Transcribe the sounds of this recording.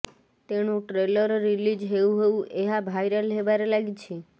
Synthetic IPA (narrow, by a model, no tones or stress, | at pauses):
t̪eñũʈɾeləɾːilid͡ʒɦeũɦoũʔeɦabʱajɾəlɦeʋaɾelaɡit͡ʃʰe